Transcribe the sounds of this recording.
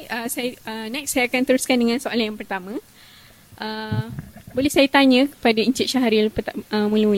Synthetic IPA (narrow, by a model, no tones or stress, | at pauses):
əsajənɛksːajaakant̪əɾuskandəŋãnsoalanjaŋpərt̪amã | ʔə | bolɛhsajat̪aɲə̃kə̥padaiɲt͡ʃɪt̪̚ʃaɦaɾilpət̪əmũləmul